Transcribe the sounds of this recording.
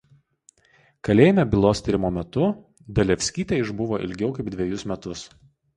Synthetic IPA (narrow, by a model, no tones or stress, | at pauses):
kɐlʲeːjmʲɛbʲɪlˠoːst̪ʲiɾʲɪmoːmʲɛt̪ʊ | d̪ɐlʲɛfʲsʲkʲiːt̪ʲeɪʒbʊʋoːʔɪ̰lʲɡʲɛʊkɐɪb̚d̪ʲʋʲɛjʊsmʲɛt̪ʊs